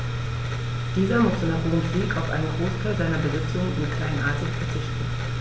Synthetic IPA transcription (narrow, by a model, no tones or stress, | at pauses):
d̥iːzɐmʊstonapoːnfliːkaʊfʔa̰ɪnəɡʁoːskʰazaɪnɐbəzɪt͡sjʊŋnʔɪ̰nkʰl̥aɪnʔa̰ɐtɪçfɐt͡sɪçtn̩